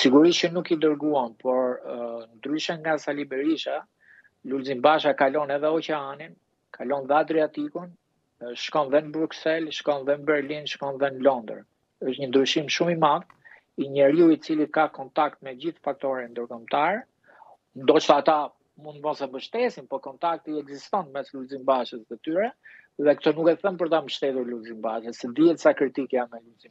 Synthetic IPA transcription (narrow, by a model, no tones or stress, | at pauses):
siɡuɾiʃt͡ʃənukid̪əɾɡuanpɔɾnd̪ɾyʃaŋɡasalibɛɾiʃa | lulzimbaʃakalɔnɛðɛɔt͡ɕɛanin | kʰalɔnðɛad̪ɾiat̪ikun | ʃkɔnðɛnəbɾuksɛlʃkɔnðɛnəbɛɾlinʃkɔnðɛnəlɔnd̪ə̰ɾ | əʃt̪ɲənd̪ɾyʃimʃumimað | iɲəɾiuit͡silikakɔnt̪ak̚t̪̚mɛd͡ʑiθfak̚t̪ɔɾind̪əɾkɔmt̪aɾ | nd̪ɔt͡ʃt̪aːt̪a | mund̪vɔnsɛmbəʃt̪ɛsinpɔkɔnt̪ak̚t̪iɛɡzist̪ɔnmɛsluzimbaʃəst̪ət̪yɾɛ | ðɛkt̪ɔnukɛθənpəɾt̪ambəʃt̪ɛt̪uɾluzimbaʃəsɛd̪iɛt̪sakɾit̪ikamɛluzi